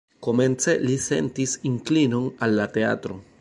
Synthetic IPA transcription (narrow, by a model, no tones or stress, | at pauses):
ko̞me̞nt͡se̞lise̞̰ntisiŋklino̞nalːate̞a̰tɾo̞